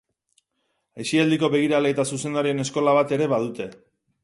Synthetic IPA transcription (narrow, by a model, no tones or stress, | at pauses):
esiald̪iko̞βe̞ɣ̞iɾaleːt̪asuse̞nd̪aɾie̞ne̞sko̞laβ̞at̪e̞ɾe̞βaðut̪e̞